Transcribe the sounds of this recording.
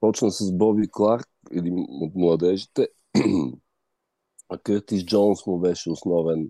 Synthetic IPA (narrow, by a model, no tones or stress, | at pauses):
pɔt͡ʃnəsɐsbɔbiklˠaɾkɛd̪inot̪mlˠɐd̪ɛʒit̪ɛ | akəɾt̪izd͡ʒɔnsmʊbɛʃɛosnɔvɛn